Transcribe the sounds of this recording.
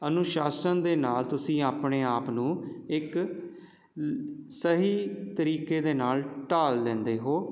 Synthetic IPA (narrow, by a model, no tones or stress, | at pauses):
ənʊʃaːsənd̪eːnaːlt̪ʊsĩːaːpɳeːaːpnũːɪk | səɦiːt̪əɾiːkeːd̪eːnaːlʈaːld̪ɛ̃ːnd̪eːɦoː